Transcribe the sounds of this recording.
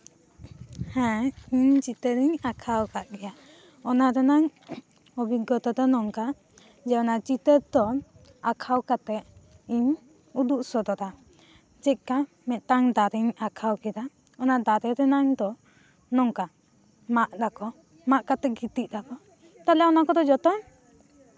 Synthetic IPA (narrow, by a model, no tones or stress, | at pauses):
hɛ̃iɲd͡ʒit̪əɾiɲakʰawkaʔɡɛja | ɔnaɾɛnaŋ | ɔbiɡɔt̪ɔd̪ɔnɔŋka | d͡ʒɛɔnad͡ʒit̪əɾd̪ɔ | akʰawkat̪ɛ | iɲ | ud̪uʔsɔd̪ɔɾa | d͡ʒɛʔ̚ka | mɛʔ̪t̪aŋd̪aɾiɲakʰawkɛɾa | ɔnad̪aɾɛɾɛnaŋd̪ɔ | nɔŋka | maʔdakɔ | maʔkat̪ɛɡit̪iʔ̚dakɔ | t̪alɛɔnakɔd̪ɔd͡ʒɔt̪ɔŋ